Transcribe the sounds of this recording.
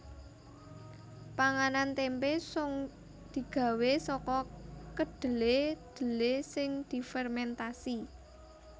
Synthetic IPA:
paŋanant̪empesʊŋ | d̪̥i̤ɡ̥ä̤wesɔkɔkəɖ̪̥ə̤led̪̥ə̤lesɪŋd̪̥i̤fɛrmɛnt̪asi

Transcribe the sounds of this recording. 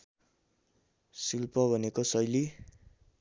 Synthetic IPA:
silpʌbʱʌnekosʌjli

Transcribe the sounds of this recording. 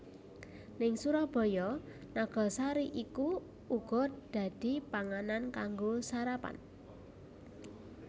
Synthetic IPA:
nɪŋsuɾɔb̥ɔ̤jɔ | naɡ̥ɔ̤saɾiʔiku | uɡ̥ɔ̤d̪̥ä̤d̪̥i̤paŋanankaŋɡosaɾapa̰n

